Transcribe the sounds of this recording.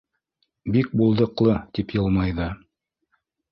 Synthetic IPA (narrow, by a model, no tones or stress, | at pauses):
bik̚bulˠd̪ɤ̆qlˠɤt̪ipjɤ̆lˠmɑjðɤ